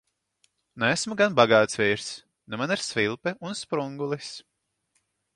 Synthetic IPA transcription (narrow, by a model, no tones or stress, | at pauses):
næsmuɡanbaɡaːt̪svʲiːɾs | nɛmaniɾsvilˠpɛunspɾuŋɡulˠis